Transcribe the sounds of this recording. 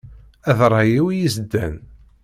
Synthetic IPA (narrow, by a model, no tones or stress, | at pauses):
æðɾˤɑjiwijizd̪ːæ̰n